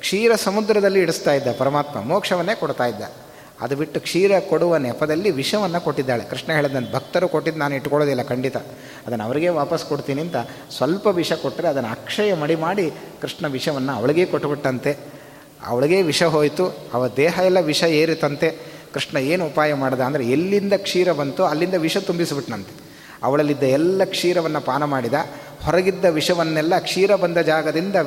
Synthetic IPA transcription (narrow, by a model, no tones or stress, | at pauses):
kʂiːɾɐsɐmud̪ɾɐd̪ɐlːiːɽust̪aːjid̪ːɐpɐɾɐmaːt̪mɐ̰moːkʂɐʋɐnːe̞ːkoɽt̪aːjid̪ːɐ̰ | ɐ̰d̪ubiʈːukʂiːɾɐkoɽuʋɐnɛpɐd̪ɐlːiʋiʂɐʋɐnːɐkoʈːid̪ːaːɭḛkɾiʂʈɳɐɦe̞ːɭid̪ːɐnbʱɐk̚t̪ɐɾukoʈːid̪naːnuiʈːkɔɭod̪ilːɐkɐɳɖit̪ɐ | ɐd̪ɐnːɐʋɐɾiɡe̞ːʋaːpɐskoɽt̪iːniːnt̪ɐ | sʋɐlpɐʋiʂɐkoʈːɾeɐd̪ɐnːa̰ːkʂɐjɐmɐɽimaːɽikɾiʂʈɳɐʋiʂɐʋɐnːɐɐ̰ʋɐɭiɡe̞ːkoʈːbiʈːɐnt̪e̞ | ɐ̰ʋɐɭiɡe̞ːʋiʂɐɦo̞ːjt̪uɐʋɐd̪ɛːɦɐɛlːɐʋiʂɐeːɾit̪ːɐnt̪e̞kɾiʂʈɳɐeːnuupaːjɐmaːɽd̪ɐːnd̪ɐɾeelːind̪ɐkʂiːɾɐbɐnt̪uɐlːind̪ɐʋiʂɐt̪umbisbiʈnɐnt̪e | ɐ̰ʋɐɭɐlːid̪ːɐɛlːɐkʂiːɾɐʋɐnːɐpaːnɐmaːɽid̪ɐ | hɔɾɐɡid̪ːɐʋiʂɐʋɐnːɛlːɐkʂiːɾɐbɐnd̪ɐd͡ʒaːɡɐd̪ind̪ɐ